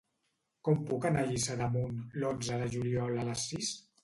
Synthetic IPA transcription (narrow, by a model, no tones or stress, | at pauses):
kɔmpukənaʒisəðəmunlonzəðəʒuliɔlələsːis